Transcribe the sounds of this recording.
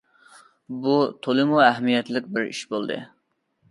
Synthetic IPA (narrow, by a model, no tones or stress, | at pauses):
but̪ʰolˠɨmuɛɦmijɛt̪lɪkʲbɪɾḭʃbolˠd̪ɨ̰